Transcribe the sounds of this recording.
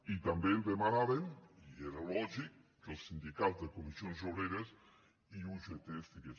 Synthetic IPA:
it̪ambend̪emanaɾenieɾelɔʒik̚ | d̥elˠsːind̪ikazd̪ekomisjonzʒoβɾeɾes | iuʒet̪est̪ike

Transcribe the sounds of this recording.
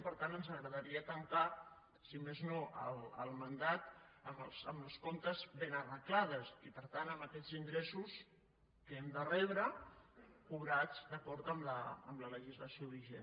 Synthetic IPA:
pəɾt̪anənzəɣɾəðəɾiət̪əŋka | simeznoʔə̰ləlˠmənd̪at̪əməlˠsəmləskont̪əzβenərəklað̞əsipəɾt̪anəmbəkɛd͡ziŋɡɾesus | kəɛmd̪ərɛβɾə | kuβɾad͡zd̪əkɔɾt̪əmlə̰ːmlələʒizləsioβiʒen

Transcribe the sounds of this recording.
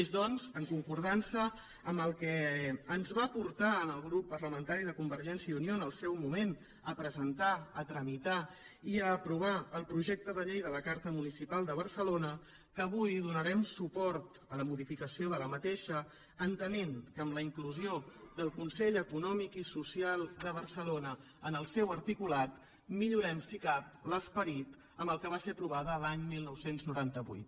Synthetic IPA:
ezðɔnzəŋkuŋkuɾð̞ansəː | mbəlˠkɛːnzβapuɾt̪aənəlˠɣɾupːərɾləmə̃nt̪aɾiðəkumbəɾʒɛnsjəiunionəlˠsɛwmumen | əpɾəzənt̪aət̪ɾəmit̪a | iəːpɾuβ̞aəlˠpɾuʒɛk̚t̪əðəʎejðələkaɾt̪əmunisipalˠd̪əβ̞əɾsəlonə | kəːβujðunəɾɛmsupɔɾt̪ | ələmuðifikəsioðələmət̪eʃəː | nt̪əneŋkəmləiŋkluzioðəlˠkunsɛʎəkunɔmikisusialˠd̪əβərsəlonə | ənəlˠsɛwəɾt̪ikulat̪ | miʎuɾɛmsikap̚ləspəɾit̪ | əmbəlˠkəβasepɾuβaðəːlaɲmilˠnɔwsenznuɾant̪əβṵjt̪

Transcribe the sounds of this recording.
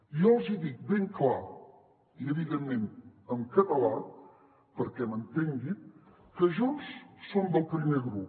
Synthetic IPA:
jɔwzid̪ik̚beŋklaɾ | iəβiɣənːeməmkət̪əla | pəɾkɛmənt̪eŋd̪it̪̚ | kəʒunssomd̪əlˠpɾimeɣɾup

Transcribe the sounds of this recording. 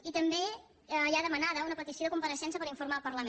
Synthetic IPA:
it̪əmbe | əjaðəmənaðəunəpət̪isioðəkumpəɾəʃɛns̬əpəɾiɱfuɾmaəlˠpəɾləme

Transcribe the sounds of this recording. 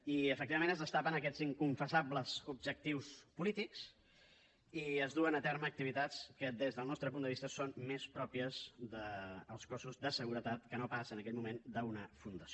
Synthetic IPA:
iəfək̚t̪iβəmẽnəzðəst̪apənəkɛd͡ziŋkuɱfəsabləzub̚ʒək̚t̪iwspulit̪iks | iəzðuənət̪ɛɾməːk̚t̪iβit̪at͡skəðezðəlˠnɔst̪ɾəpund̪əβist̪əsonmespɾɔpiəzðəːlˠskosuzðəsəɣuɾət̪at̪kənopasənəkɛʎmumend̪əunəfund̪əsio

